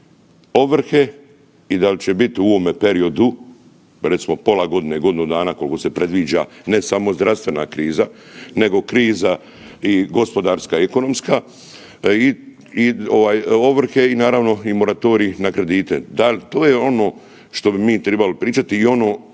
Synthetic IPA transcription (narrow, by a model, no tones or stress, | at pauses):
o̞ʋr̩xe̞ | id̪alt͡ɕebit̪iuo̞ːmepe̞ɾio̞d̪u | ɾe̞t̪simo̞po̞laɡo̞d̪ineɡo̞d̪inud̪aːnako̞lˠko̞se̞pɾe̞d̪ʋiːd͡ʒane̞samo̞zd̪ɾafst̪ʋe̞na̰kɾiːzane̞ɡo̞kɾiːza | iɡo̞spo̞d̪aːɾskaeko̞no̞mska | i | io̞ʋaːjo̞ʋr̩xe̞inaːɾaʋno̞imo̞ɾat̪o̞ːɾiinakɾe̞d̪iːt̪e̞̰d̪alʲt̪oːjeo̞no̞ː | ʃt̪o̞bimiːt̪ɾebalopɾiːt͡ʃat̪iːo̞no̞ː